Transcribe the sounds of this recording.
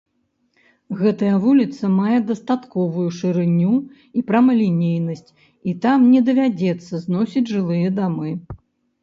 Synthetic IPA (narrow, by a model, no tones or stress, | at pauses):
ɣɛt̪ɐjɐvulʲit̪sɐmajɛd̪ɐst̪at̪kɔvujuʂɨɾɨnʲːu | ipɾɐmɐlʲinʲejnɐsʲt͡sʲ | it̪amnʲɛd̪ɐvʲad͡zʲɛt̪sːɐznɔsʲid͡zʲʐɨlˠɨjɐd̪amɨ